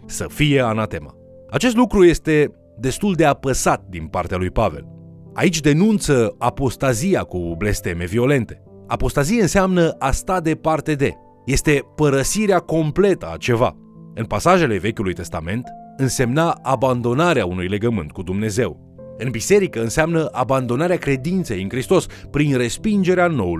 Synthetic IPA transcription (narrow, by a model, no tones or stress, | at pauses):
səfije̞anat̪e̞ma̰ | at͡ʃest̪lukɾuje̞st̪e̞ | d̪e̞st̪uld̪e̞apəsat̪̚d̪inpart̪ealujpave̞̰l | a̰it͡ʃʲd̪e̞nunt̪səapo̞st̪azijakuble̞st̪e̞me̞vio̞le̞nt̪e̞ | apo̞st̪azieɨnseamnəʔast̪ad̪e̞part̪e̞d̪e̞̰ | je̞st̪e̞pəɾəsiɾeako̞mple̞t̪əa̰t͡ʃe̞va̰ | ɨnpasaʒe̞le̞ve̞kʲulujt̪e̞st̪ame̞nt̪ɨnse̞mnaaband̪o̞naɾeaunujle̞ɡəmɨnt̪̚kud̪umne̞ze̞w | ɨnbise̞ɾikəɨnseamnəʔaband̪o̞naɾeakɾe̞d̪int̪sejɨnkɾist̪o̞spɾinre̞spind͡ʒe̞ɾeano̞wul